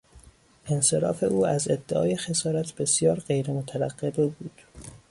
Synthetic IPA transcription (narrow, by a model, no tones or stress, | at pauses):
ʔe̞nse̞ɾɒ̰ːfe̞ʔuːæzed̪ːeʔɒ̰ːje̞xe̞sɒːɾæt̪ʰb̥e̞sjɒːɾɢe̞jɾemot̪ʰæɾæɢːe̞bebuːd̪̥